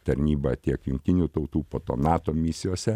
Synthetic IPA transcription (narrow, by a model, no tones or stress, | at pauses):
t̪ɐɾʲnʲiːbɐt̪ʲiɛkjʊŋkt̪ʲɪnʲuːt̪ɐʊt̪uːpoːt̪o̰ːnɑːt̪oːmʲɪsʲɪjoːsʲɛ